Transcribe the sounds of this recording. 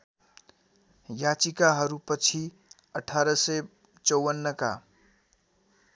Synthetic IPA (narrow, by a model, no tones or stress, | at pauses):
jat͡sikaɦʌɾupʌt͡sʰi | ʌʈʰaɾʌsʌj | t͡sʌwʌnːʌka̰